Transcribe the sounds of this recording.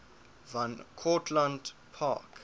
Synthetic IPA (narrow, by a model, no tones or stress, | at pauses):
vãnkʰɔtʰlãndpʰa̰k